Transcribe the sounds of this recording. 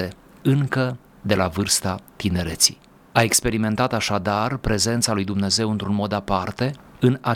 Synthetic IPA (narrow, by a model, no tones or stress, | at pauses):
e | ɨŋkə | d̪e̞lavɨrst̪at̪ine̞ɾe̞t̪sḭ | aekspe̞ɾime̞nt̪at̪aʃad̪arpɾe̞ze̞nt̪salujd̪umne̞ze̞wɨnt̪ɾunmo̞d̪apart̪e̞ɨna